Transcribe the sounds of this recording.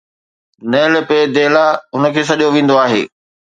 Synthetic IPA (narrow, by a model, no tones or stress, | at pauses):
nɛːləped̪eːlaʊnə̆kʰeːs̬ɐɗijoʋẽːn̆d̪oaːɦḛː